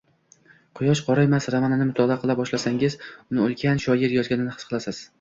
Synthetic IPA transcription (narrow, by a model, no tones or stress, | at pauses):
qʰʊjɒʃqʰɒɾajmasɾamananɪmʊt̪ʰɒlˠaqʰɨlˠabɒʃlasaŋɪzʊnɪolˠkʲʰanʃɒjɪɾjɒzɡʲanɪnɪhɨ̥sqʰɨlˠasɪz̥